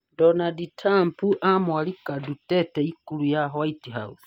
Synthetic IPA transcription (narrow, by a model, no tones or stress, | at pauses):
donaditʰaːmpuʔamwalikaduteteikulujaɦwaitiɦa̰usi̥